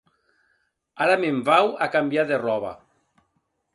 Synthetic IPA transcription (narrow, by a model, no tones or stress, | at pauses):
aɾamemvawakambjaðerɔβa̰